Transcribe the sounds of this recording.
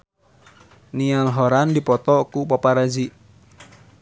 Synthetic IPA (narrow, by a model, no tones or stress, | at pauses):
nialɦɔɾandipɔt̪ɔkupɔpaɾad͡ʒiʔ